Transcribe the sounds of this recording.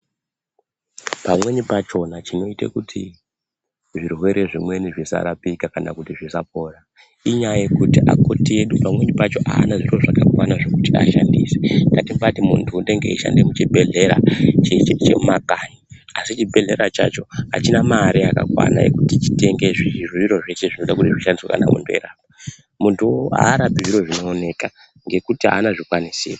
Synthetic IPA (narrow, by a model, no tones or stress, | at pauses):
pamwe̞nipat͡ʃo̞nat͡ʃino̞itḛkutʰi | ʐirwe̞ɾʔe̞ʐimwe̞niʐisa̰ɾapikakanakutiʐisap̚o̞ːra | iɲajekutiʔa̰ko̞tie̞ɗupamwe̞ɲipat͡ʃo̞ʔa̰ːnaʐiroʐakakwanaʐe̞kutia̰ʃa̰ndḭːseŋɡatimbatimṵntʰuːnde̞ŋɡe̞̰iʃa̰ndemut͡ʃibʱe̞ɮe̞ɾa̰t͡ʃet͡ʃḛumakaɲiasit͡ʃibʱe̞ɮe̞ɾat͡ʃa̰t͡ʃo̞a̰t͡ʃinamaːɾiaka̰kwa̰na̰je̞̰kutit͡ʃi̥te̞ŋɡe̞ʐiiriʋiɾo̞ʐe̞ʃe̞ʐino̞ɗakutiʐiʃandiswaka̰na̰mṵndoeɾaːp̚a | muntʰua̰ːɾapiʐiɾo̞ʐino̞ːne̞ka | ŋɡe̞kutia̰ːnaʐikwanisḭːra